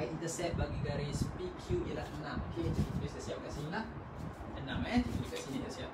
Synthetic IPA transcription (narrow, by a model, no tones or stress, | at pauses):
jint̪əsɛt̪̚baɡiɡaɾispikʰjuialahənãmoket̪ukit̪uɾiskasiap̚kasinilah | ənamɛt̪ut̪uɾikasinik̪əsiap̚